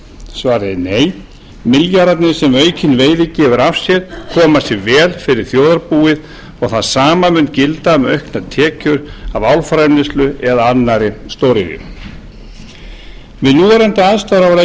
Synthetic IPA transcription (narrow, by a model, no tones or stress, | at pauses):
svaːɾɪneːj | mɪljaɾat̪nɪsɛmœːɥcʰɪnveːjðɪcɛːvʏɾafsjɛɾkʰɔːmasjɛɣvɛːlfɪɾɪɾ̥θjowðaɾpuːɪð | ɔɣθaðsaːmamʏnt̪cɪlt̪amɛœɥhknat̪ʰɛːcʏɾavawlfɾajmnɪst̪lʏɛðaanːaɾɪst̪oːwɾɪɣɪ̰ | mɪðnuːɛɾɛnt̪ɪaðst̪aɾavle